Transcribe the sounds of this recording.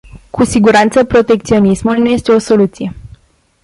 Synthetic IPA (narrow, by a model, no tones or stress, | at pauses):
kusiɡuɾant̪səpɾo̞t̪e̞k̚t̪sio̞nismulnuje̞st̪e̞o̞so̞lut̪sije̞